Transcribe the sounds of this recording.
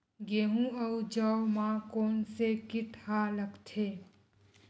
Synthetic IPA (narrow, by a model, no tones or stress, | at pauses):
ɡeːɦũəwd͡ʒəwmãkoːnsekɪʈʰhaləkt̪ʰeː